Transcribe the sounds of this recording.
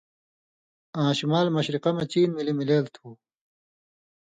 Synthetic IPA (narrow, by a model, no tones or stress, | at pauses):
ãːɕumaːlmɐɕɾiqɐmɐt͡ɕiːnmilimileːlt̪ʰuː